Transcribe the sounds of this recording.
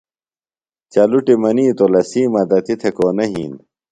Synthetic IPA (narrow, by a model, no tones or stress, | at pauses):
t͡ɕɐluʈimɐniːt̪olɐsiːmɐd̪ɐt̪it̪ʰekoːnɐɦḭːn